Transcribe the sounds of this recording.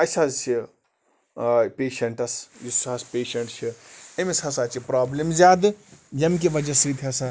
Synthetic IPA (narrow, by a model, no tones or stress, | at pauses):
ɐsɐzsi | pʲeːʃɐɳʈɐsjisɐspeːʃɐɳʈt͡ʃʰiɐmisɐsaːt͡ʃipɾaːblimzʲaːd̪ɨjɐmk̬iʋɐd͡ʒɐsit̪ʰɦɐsa